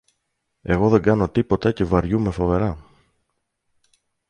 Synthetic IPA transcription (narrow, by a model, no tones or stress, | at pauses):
e̞ɣo̞ðe̞ŋɡɐno̞t̪ipo̞t̪ɐce̞vɐɾʝume̞fo̞ve̞ɾɐ